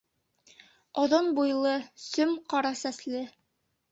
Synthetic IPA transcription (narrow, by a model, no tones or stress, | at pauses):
ŏðonbujlˠɤsɵmqɑɾɑsæslɘ